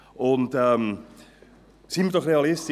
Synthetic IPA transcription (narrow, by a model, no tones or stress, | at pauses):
ʔɔntəm | sinmətɔχreɑlɪst